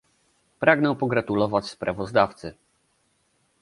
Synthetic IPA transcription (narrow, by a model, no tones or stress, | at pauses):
pɾʔaɡnɛw̃pɔɡɾat̪ulɔvat͡ɕspɾʔavɔzd̪aft̪sɘ